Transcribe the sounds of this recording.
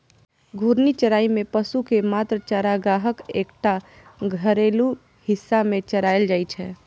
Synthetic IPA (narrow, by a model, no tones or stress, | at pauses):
ɡʱuːɾnit͡ʃəɾaːimẽpəsukemaːt̪ɾət͡ʃaːɾaɡaːɦəkeːkʈa | ɡʱəɾeːlu | hɪsːamẽt͡ʃəɾaːjəld͡ʒaːit͡ʃʰɛː